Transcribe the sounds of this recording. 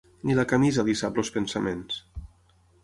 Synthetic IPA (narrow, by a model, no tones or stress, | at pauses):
nilakamizaðisapləospensamens